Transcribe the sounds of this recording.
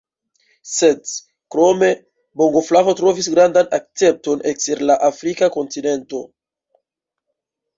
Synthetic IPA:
se̞d | kɾo̞me̞ | bo̞ŋɡo̞flavo̞tɾo̞visɡɾandanak̚t͡se̞p̚to̞nekseɾlaʔafɾikako̞ntine̞nto̞

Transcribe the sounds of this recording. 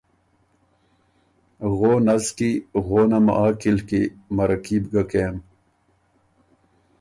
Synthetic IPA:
ɣoːnɐzkiɣoːnɐmʔaːkilkimɐɾɐkiːbɡɐkeːm

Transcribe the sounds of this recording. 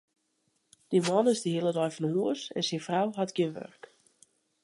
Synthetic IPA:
d̥imɔnɪzdəhilədɔjfɔnəɦuəsɛ̰nsɪnfrawɦatɡ̥jəʋø̰rk

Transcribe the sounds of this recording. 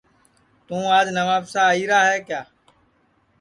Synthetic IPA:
t̪ũːaːd͡ʒnəʋaːpsaːiːɾaːɦɛːkjaː

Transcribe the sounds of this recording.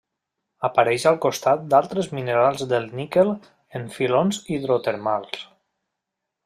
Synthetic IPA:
apaɾɛʃalˠkust̪at̪̚d̪alˠt̪ɾəzmineɾalˠzðəlˠnikel | eɱfilonziðɾot̪eɾmalˠs

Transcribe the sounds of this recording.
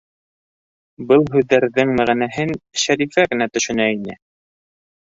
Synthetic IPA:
bɤlˠɦʉðːæɾðɘŋmæʁænæɦɘnʃæɾifæɡɘ̆næt̪ɵ̆ʃɵ̆næinɘ̰

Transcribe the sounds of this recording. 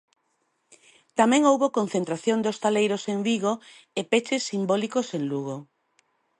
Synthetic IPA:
t̪amɛ̃ŋowβokon̟θent̪ɾaθjond̪ost̪alejɾoseŋbiɣo | epet͡ʃɪsːimbolikoseŋluɣo

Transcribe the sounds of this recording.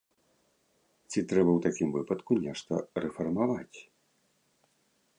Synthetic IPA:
t͡sʲit̪ɾɛbɐwt̪akʲimvɨpɐt̪kunʲɛʂt̪ɐrɛfɐrmavat͡sʲ

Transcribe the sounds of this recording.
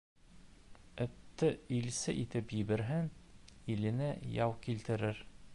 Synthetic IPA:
ɵ̆t̪ːɘilsɘʔit̪ɘpjɘbɘ̆ɾɦɘnilɘ̆nɘjɒwkilt̪ɘ̆ɾɘɾ

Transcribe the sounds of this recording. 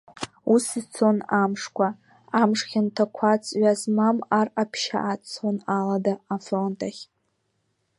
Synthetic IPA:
usizt͡sʰo̞namʂkʷʰa | amʂχʲantʰakʷʰat͡sʼɥazmamarapʰʃa̰ʔat͡sʰonaladaːfro̞ntʼaχʲ

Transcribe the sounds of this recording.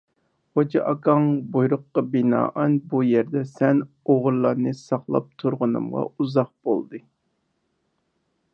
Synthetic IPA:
od͡ʒɑʔɑkʰɑŋbujɾʊqːɑbinɑ̰ːʔɑnbujɛɾd̪ɛsɛn | oʁʊɾlːˠɑɾnɨsɑχlˠɑ̰p̚t̪ʰuɾʁʊnɨ̰mʁɑ̰uzɑq̚b̥o̰lˠd̪ɨ

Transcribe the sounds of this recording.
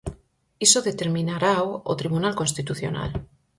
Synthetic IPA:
isoðe̞t̪eɾmĩnaɾaoo̰t̪ɾiβ̞unalko̞nst̪it̪uθjo̰na̰l

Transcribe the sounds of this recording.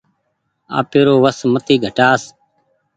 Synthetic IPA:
a̰ːpeːɾoːʋəsmət̪iːɡʱəʈaːs

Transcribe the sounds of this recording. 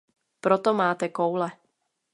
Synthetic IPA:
pɾɔt̪ɔmaːt̪ɛkɔwlɛ

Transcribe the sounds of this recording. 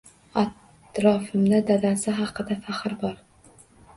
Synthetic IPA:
at̪ | ɾɒfɨmd̪ad̪ad̪asɪɦɑqɨd̪afaχɨɾbɒɾ

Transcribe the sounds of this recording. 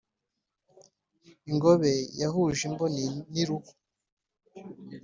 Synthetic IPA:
iŋɡoβe̞jahuʒimbonniɾuku̥

